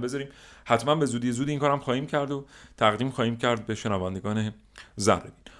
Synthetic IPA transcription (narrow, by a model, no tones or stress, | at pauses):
bezɒːɾiːmhæt̪ʰmænbe̞zuːd̪ijezuːd̪iːŋkʰɒːɾæmχɒːhiːmcʰæɾd̪ot̪ʰæɣd̪iːmxɒːhiːmcʰæɾd̪̚be̞ʃe̞nævænd̪eɡɒːne̞ | zæ̰rebiːn